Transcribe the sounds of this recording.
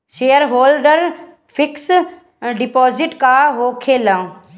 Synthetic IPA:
ʃeːjəɾɦoːlɖəɾ | fʰɪks | ɖɪpɔːzɪʈkaːɦoːkʰelãː

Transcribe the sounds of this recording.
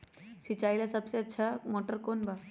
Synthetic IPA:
sit͡ɕajlasəbseətːɕʰamɔʈəɾkonba

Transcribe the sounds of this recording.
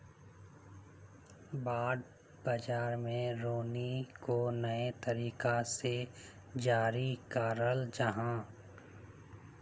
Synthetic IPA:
baːd̪̚ | bɐd͡ʒaːɾmẽɾoːnikonɐet̪ɐɾiːkase | d͡ʒaːɾikaːɾəld͡ʒɐɦã

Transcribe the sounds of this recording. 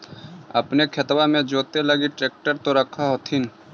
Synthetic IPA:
ɐpnekʰɐt̪wamẽd͡ʒoːt̪eləɡiʈɾeːk̚ʈəɾt̪oɾɐkʰaɦot̪ʰin

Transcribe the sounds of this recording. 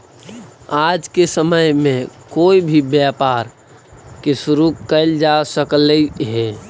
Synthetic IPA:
aːd͡ʒkesəməjmẽkoːibʱibjaːpaːɾ | kesʊɾukəɪld͡ʒasəkləiɦɛː

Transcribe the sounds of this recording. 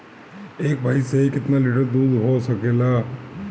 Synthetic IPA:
eːkbʱaiseikɪt̪naliʈəɾd̪uːd̪ɦosəkela

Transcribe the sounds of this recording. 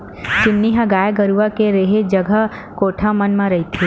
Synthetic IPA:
t͡ʃɪnːiɦɐɡaːjɡɐɾuʋakeɾeɦed͡ʒɐɡʱə | koːʈʰamɐnmãɾɐɦit̪ʰi

